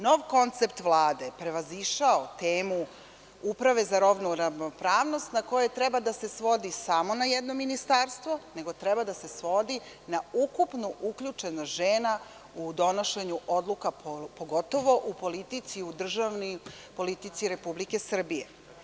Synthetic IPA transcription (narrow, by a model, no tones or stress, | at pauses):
noʋko̞nt̪sep̚t̪ʋlˠaːd̪e̞pɾe̞ʋaziʃaot̪eːmu | upɾaʋe̞zaɾoʋnuɾaʋnopɾaːʋno̞st̪nako̞jet̪ɾɛbad̪ase̞sʋo̞d̪isamo̞najed̪no̞minist̪aɾst̪ʋo̞ne̞ɡo̞t̪ɾɛbad̪ase̞sʋo̞d̪i | naukupnuʔukʎut͡ʃe̞noʒeːna | ud̪o̞no̞ʃe̞ɲuʔod̪lukapoɡo̞t̪o̞ʋo̞ʔupo̞lit̪it̪siud̪r̩ʒaʋni | po̞lit̪it̪siɾe̞publike̞sr̩bije̞̰